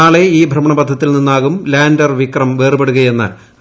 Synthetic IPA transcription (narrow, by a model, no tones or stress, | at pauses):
aːɭe̞iːbʱrɐmɐɳɐpɐd̪ʱːɐt̪ːilninːaːɣumlaːndɐrʋikrɐmʋeːrɨbeɽuɣɐje̞nːɨ̰